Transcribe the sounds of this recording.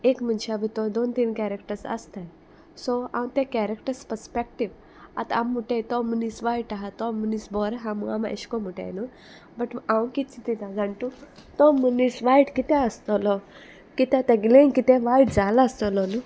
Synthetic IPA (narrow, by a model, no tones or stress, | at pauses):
ekm̤ənɕeabit̪ɔd̪ont̪iːnkɛɾekʈəɾsə̰st̪aj | sɔãw̃t̪ɛ̃kɛɾekʈəɾspəɾspek̚ʈiʋ | a̰t̪aamːuʈejt̪ɔmunisʋaiʈaɦat̪ɔmunisbɔɾɦãmuamaʔḛɕkɔmuʈa̰jnu | bəʈãwkit̪t͡sit̪it̪ad͡zaɳʈut̪ɔmunisʋajʈkit̪ɛ̃əst̪ɔlɔ | kit̪ɛ̃t̪ãɡlẽnkit̪ɛ̃ʋaiʈd͡zalaːst̪ɔlɔlu